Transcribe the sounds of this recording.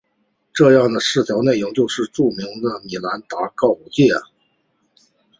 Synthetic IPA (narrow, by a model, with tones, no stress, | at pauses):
ʈ͡ʂɤ˥˧jɑ˥˩ŋd̪ə˩ʂɻ̩˥˩t͡ɕ̪ʰjɑ˧˥ʊne˥˩ɪʊ˧˥ŋt͡ɕjo˥˧ʊʂɻ̩˥˧ʈ͡ʂu˥˩mi˧˥ŋd̪ə˧ni˨˩la˧˥nt̪a˧˥kɑ˥˩ʊu˧˩t͡ɕjɛ˥˩